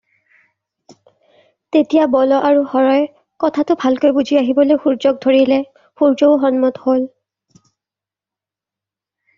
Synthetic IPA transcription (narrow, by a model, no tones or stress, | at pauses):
tetijabɔlɔʔaɹuxɔɹɔj | kɔtʰatʊbʱalkojbuzʱiaɦibɔlojxuɹzɔk̚dʱoɹilɛ | xuɹd͡ʒoʊɦɔnmɔthol